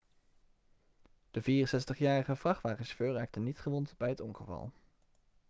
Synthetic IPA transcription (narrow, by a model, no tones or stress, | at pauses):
d̥əviːrənsɛstəχjaːrəχəv̥rɑχʋaːχənsføːraːk̚tənːitχəʋɔntbɛjɦətɔnχəvɑ̰lˠ